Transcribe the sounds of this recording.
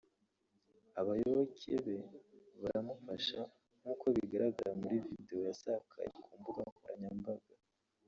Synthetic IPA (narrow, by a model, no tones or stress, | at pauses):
aβajoβokʰḛβeβaɾamufaʃa | ŋ̥uːkʰo̞βiɡaɾaɡaɾamuɾivideo̞jasakʰa̰ɾḭkʰuːmbuɡakuɾaɲambaɡ̥a